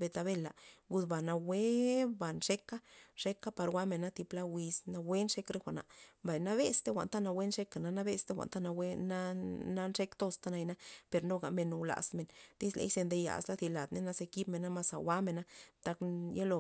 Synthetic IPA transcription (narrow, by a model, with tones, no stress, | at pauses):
be˧t̪a˧be˦˧˨la˨ɡu˧d̪ba˨na˧we˦ba˨nʂe˦ka˦ʂe˦ka˦pa˧ɾwa˦me˨nːa˦t̪i˧pla˦wi˧sna˧we˦nʂe˦kɾe˦xʷa˨na̰˨ʔmba˨jna˦βe˦st̪e˦xʷa̰˨nt̪a˦na˧we˦nʂe˦ka˨na˧na˦be˦st̪e˦xʷa̰˨nt̪a˦na˧we˦na˦na˦nʂe˦kt̪o˧st̪a˦na˧jna˦pe˧ɾno˧ɡa̰˨me˨no˨wla̰˨sme˨nd̪i˦slḛ˧˦jse˧nd̪e˧ja̰˨sla˦d̪i˧la˨d̪ne˦na˦ze˧ki˦bme˨na˦ma˧sa̰˨wʷa˦me˨na˦t̪a˧kje˦lo˧˨